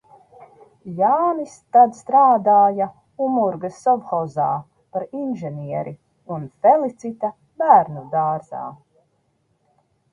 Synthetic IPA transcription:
jaːnist̪ad̪st̪ɾaːd̪aːja | umuɾɡasɔvxɔzaː | paɾinʒɛnʲiɛɾʔi | unfɛlˠit̪sit̪ɐ | bæːɾnud̪aːɾza̰ː

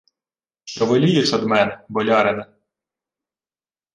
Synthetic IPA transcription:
t͡ʃɔʋɔlʲijɛsɐd̪mɛnɛbɔlʲɑɾenɛ

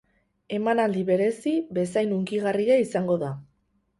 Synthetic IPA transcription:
e̞manald̪iβe̞ɾe̞siβe̞sajnuŋkiɣariaisaŋɡo̞ða

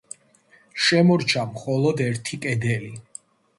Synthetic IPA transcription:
ʃɛmɔɾt͡ʃʰamχɔlˠɔd̪ɛɾt̪ʰikʼɛd̪ɛli

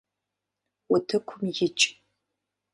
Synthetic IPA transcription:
ʊtʰɨkʷʰʊmjɪt͡ʃʼ

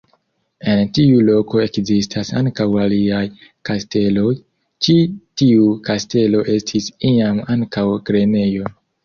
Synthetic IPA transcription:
e̞ntiulo̞ko̞e̞kzistʰasaŋkawaliajkaste̞lo̞j | t͡ʃitiukaste̞lo̞ʔe̞stʰisiamaŋkawɡɾe̞ne̞jo̞

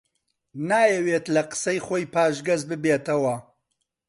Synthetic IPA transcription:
naːjɛweːt̪lɐqɨ̥sɐjχoːjpʰaːʒɡɐzbɨbeːt̪ɐwɐ

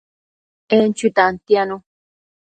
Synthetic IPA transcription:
ent͡ʃut̪ant̪janõ

